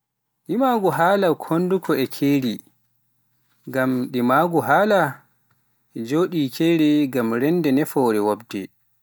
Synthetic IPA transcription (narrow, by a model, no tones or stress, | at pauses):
ɗimaːɡuɦaːlakʰondukʰɔɛkʰeːɾi | ɡamɗimaɡuɦaːla | ɛd͡ʒoːɗikʰɛːɾɛɡamɾɛndɛnɛfɔɾɛwabdɛ̰